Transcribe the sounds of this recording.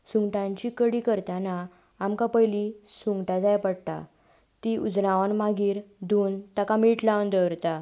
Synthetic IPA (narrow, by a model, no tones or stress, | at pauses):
suŋɡʈãɲt͡ɕikəɽikəɾt̪ana | amkapəjlisuŋɡʈad͡zajpəɽt̪a̰ | t̪iʔud͡znaʋənmaɡiːɾd̪uːnt̪akamiʈlaʋnd̪əʋɾt̪a